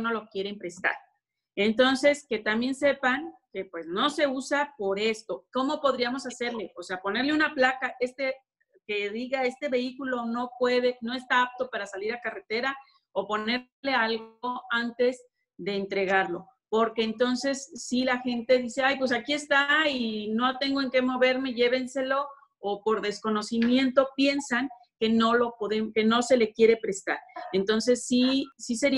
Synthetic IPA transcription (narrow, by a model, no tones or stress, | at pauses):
no̞lo̞kje̞ɾeimpɾe̞st̪a̰ɾ | e̞nt̪o̞nse̞ske̞t̪ambjense̞paŋke̞pwe̞zno̞se̞usapo̞ɾe̞st̪o̞ko̞mo̞po̞ðɾiamo̞sase̞ɾle̞ʔose̞apo̞ne̞ɾle̞unaplakaʔe̞st̪e | keðiɣae̞st̪e̞βe̞ikulo̞no̞pwe̞ðe̞no̞e̞st̪aap̚t̪o̞paɾasaliɾakare̞t̪e̞ɾa | opo̞ne̞ | le̞alɣoant̪e̞z | ðe̞ːnt̪ɾe̞ɣaɾlo̞ | po̞ɾke̞ːnt̪o̞nse̞sːilaxe̞nt̪e̞ðise̞ajpwe̞sakie̞st̪ainot̪e̞ŋɡoe̞ŋke̞mo̞βe̞ɾme̞ʝe̞βe̞nse̞lo̞ː | po̞ɾðe̞sko̞no̞simje̞nt̪o̞pje̞nsaŋ | ke̞no̞lo̞po̞ðemke̞no̞se̞le̞kje̞ɾe̞pɾe̞st̪a̰ɾent̪o̞nse̞sːisise̞ɾi